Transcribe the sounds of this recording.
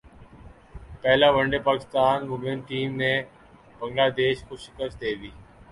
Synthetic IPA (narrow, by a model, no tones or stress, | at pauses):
pɛɦlaːʋəɳɖepaːkɪst̪aːnmʊmenʈiːmnẽ | bə̃ŋɡlaːd̪eːʃxoʃɪ̥kəst̪̚d̪eːʋiː